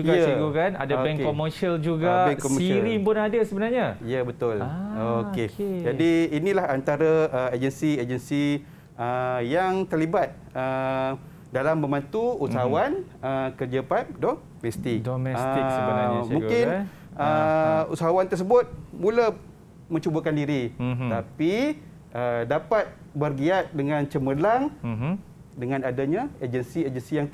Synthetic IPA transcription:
d͡ʒujəiɡukana̰daobɛŋoməsiəld͡ʒuɡabɛŋkɔməiɾipʊnadasəbənarɲajəbət̪ʊlooked͡ʒadiːnĩlahant̪aɾaəed͡ʒənsied͡ʒənsi | əjaŋt̪ərlibat̪̚ | ə | dalambəmant̪uussaɦawanəkərd͡ʒəpap̚dɔ | mɛst̪ɪk̚doɛə | mũkɪn | əusaɦawant̪ərs̬əbʊt̪̚mulə | mə̃ɲt͡ʃubəkandiɾiapi | ʔədapat̪̚ | bərɡiat̪̚dəŋãnt͡ʃəməlaŋ | dəŋãnadaɲaed͡ʒənsied͡ʒənsijaŋ

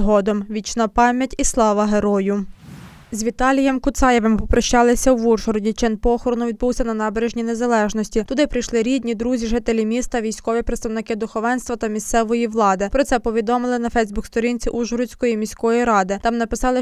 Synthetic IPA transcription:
ɦɔd̪ɔmʋʲit͡ʃnɑpɑmʲjɐtʲislˠɑʋɐɦeɾɔjʊ | zʲʋʲit̪ɑlʲijɛmkʊt̪sɑjeʋempɔpɾɐʃt͡ʃɑlˠɪsʲɐʋurʒɔɾɔdʲit͡ʃɪnpɔxɔɾɔnʊʋʲid̪̚buwsʲɐnɐnɑbeɾeʒnʲinezɐlˠɛʒnɔsʲtʲit̪ʊd̪ɪpɾɪjʃlˠɪɾʲid̪ʲnʲid̪ɾuzʲiʒɪt̪elʲimʲist̪ɐʋʲijsʲkɔʋʲipɾet̪st̪ɐʋnɪkɪd̪ʊxɔʋɛnst̪ʋɐt̪ɐmʲist̪sɛʋɔjiʋlˠɑd̪ɪpɾɔt̪sɛpɔʋʲid̪ɔmɪlˠɪnɐfɛjzbukst̪ɔɾʲint͡sʲiʔuʒɔɾʊt͡sʲkɔjimʲisʲkɔjiɾɑd̪ɪt̪ɑmnɐpɪsɑlˠɪ

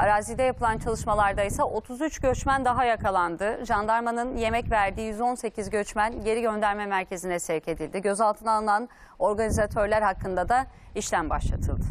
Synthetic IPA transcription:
aɾaːzid̪ɛjapʰɯlˠant͡ʃʰalˠɯʃmalˠaɾd̪ajsaʔo̞t̪ʰuzyt͡ʃɟø̞t͡ʃmænd̪aɦajakʰalˠand̪ɯʒand̪aɾmanɯnje̞mɛcvæɾd̪iːjyzo̞nse̞cʰizɟø̞t͡ʃmænɟe̞ɾiɟø̞nd̪æɾmɛmæɾcʰe̞zinɛsɛɾcʰe̞d̪ilʲd̪iɟø̞zalˠt̪ʰɯnalˠɯnan | o̞ɾɡanizat̪ʰø̞ɾlʲæɾhakːɯnd̪ad̪a | iʃlʲæmba̰ʃlˠa̰t̪ʰɯ̰lˠd̪ɯ

